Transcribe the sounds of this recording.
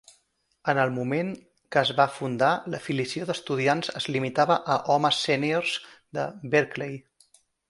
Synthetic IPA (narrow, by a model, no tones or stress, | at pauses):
ənəlˠmumeŋ | kəːzβafund̪aləfilisioðəst̪uð̞ianzəzlimit̪aβəʔəʔɔməsɛniorz̥ | d̪əbeɾklej